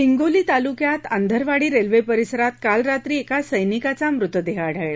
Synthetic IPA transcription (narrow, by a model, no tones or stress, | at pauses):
iŋɡoliːt̪alukjat̪ənd̪ʱəɾʋaɽiːɾelʋepəɾisəɾat̪̚kalɾat̪ɾiːekasəjnikat͡samɾut̪ʋəd̪eɦaːɽʱəɭɭa